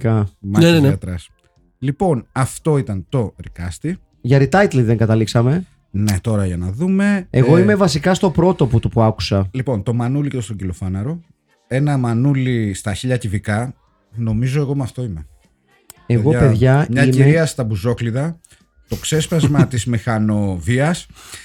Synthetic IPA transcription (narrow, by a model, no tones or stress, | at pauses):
kɐmnɐt̪ɾɐs | lipo̞nɐft̪o̞it̪ɐnt̪o̞ɾikɐst̪i | ʝɐɾit̪ɐjt̪liðe̞ŋɡɐt̪ɐliksɐme̞ | ne̞t̪o̞ɾɐʝɐnɐðume̞eɣo̞ime̞vɐsikɐst̪o̞pɾo̞t̪o̞pot̪upuɐku̥sɐlipo̞nt̪o̞mɐnuliceostoɟilo̞fɐnɐɾo̞ | e̞nɐmɐnulist̪ɐçiʎɐcivikɐ | no̞mizoe̞ɣo̞mɐft̪o̞ime̞ | e̞ɣo̞pe̞ðʝɐmɲɐimieɾiɐst̪ɐbuzo̞kliðɐ | t̪o̞kse̞spɐzmɐt̪izmixɐno̞viɐs